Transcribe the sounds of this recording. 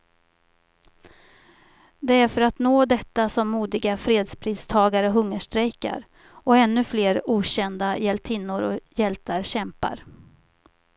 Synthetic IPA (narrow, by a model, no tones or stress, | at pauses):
d̪ɛæɾfœɾat̪noːd̪ɛt̪ːasɔmːuːd̪ɪɡafɾeːd̪spʰɾiːst̪ʰɑːɡaɾəɦɵŋːəʂʈɾɛjka̰ɾ | ɔɛnːɵfleːɾuːɕɛnd̪ajɛlt̪ʰɪnːʊɾɔjɛlt̪ʰaɾɕɛmpa̰ɾ